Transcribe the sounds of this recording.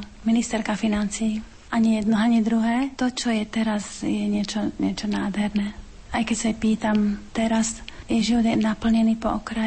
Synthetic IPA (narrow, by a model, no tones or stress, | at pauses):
minist̪ɛɾkafinant͡siː | ʔaɲijɛd̪nɔaɲid̪ɾuɦɛːt̪ɔt͡ʃɔjɛt̪ɛɾazjɛɲɪɛt͡ʃɔɲɪɛt͡ʃɔnaːd̪ɦɛɾnɛ | ajkɛcsajɛpiːt̪amt̪ɛɾasjɛʒiʋɔd̪jɛmnapl̩ɲɛniːpɔ̰ʔɔkɾa